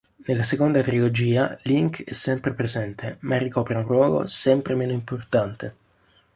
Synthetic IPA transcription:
nelːasekond̪at̪ɾilod͡ʒiːaliŋkɛsːɛmpɾepɾezɛnt̪ʰemarːikɔːpɾaunrwɔːɡo̰sɛmpɾemeːnoimport̪ant̪e

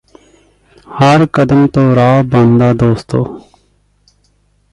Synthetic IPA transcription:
haɾkəd̪əmt̪oːɾaːbɐ̃nd̪aːd̪oːst̪oː

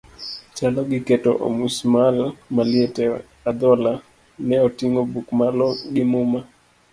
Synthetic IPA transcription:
t͡ʃalɔɡɪketo̰ʔo̰musmalmaljetɛ | ad̪ɔla | nɛotiŋobukmalɔɡɪmʊma

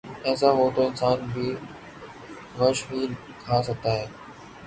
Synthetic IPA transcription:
ɛ̃ːs̬aɦoːt̪oːɪnsaːnbʱiː | ʋəʃɦiː | kʰaːs̬əɡ̚t̪aːɦeː

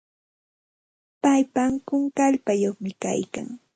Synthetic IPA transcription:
pajpamkʊŋkaʎpajoχmɪka̰jka̰ŋ

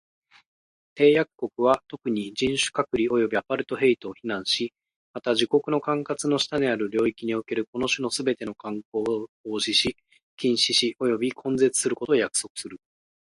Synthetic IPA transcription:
t̪e̞ːjakɯ̥kːo̞kɯ̟βat̪o̞kɯ̟ɲ̟id͡ʑĩɰ̃ɕɨ̥kakɯ̟ɾʲio̞jo̞bʲiapaɾɯ̟t̪o̞ɦe̞it̪o̞ːçinãɰ̃ɕi | mat̪aʑiko̞kɯ̟no̞kãŋkat͡sɨno̞ɕi̥t̪aɲ̟iaɾɯ̟ɾʲo̞ːikʲiɲ̟io̞ke̞ɾɯ̟ko̞no̞ɕɨno̞sɨbe̞t̪e̞no̞kãŋko̞ːo̞ːʑiɕi | kʲĩɰ̃ɕiɕiʔo̞jo̞bʲikʰõ̞nd͡ze̞t͡sɨ̥sɨɾɯ̟ko̞t̪o̞ːjakɯ̥so̞kɯ̟̥sɨɾɯ̟

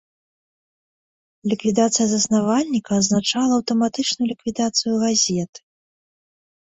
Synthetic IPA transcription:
lʲikvʲid̪at̪sɨjɐzɐsnavalʲnʲikɐːznat͡ʂalˠɐːwt̪ɐmat̪ɨt͡ʂnujulʲikvʲid̪at̪sɨjuɣazʲɛt̪ɨ̥

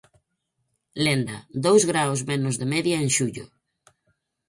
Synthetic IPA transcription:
lend̪a̰d̪owzɣɾawzmenʊzðemɛðjaeŋʃuʎʊ̰

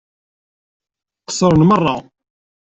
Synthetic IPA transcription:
qsʊɾənmərˤːɑ

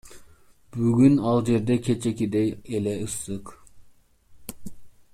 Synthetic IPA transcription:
b̥yɡʲynɑlˠd͡ʒeɾd̪ɛkʲʰet͡ʃʰɛkʲid̪ɛjelɛɯsɨq

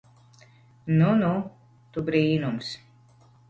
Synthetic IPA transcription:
nunu | t̪ubɾiːnums

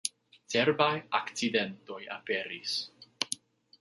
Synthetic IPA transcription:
teɾbajakt͡sidento̞ja̰peɾis

